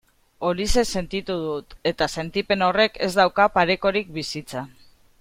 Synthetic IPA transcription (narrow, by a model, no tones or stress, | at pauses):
o̞lise̞se̞nt̪it̪uð̞ut̪e̞t̪ase̞nt̪ipe̞no̞re̞ke̞̰zd̪awkapaɾe̞ko̞ɾik̚bisit͡sa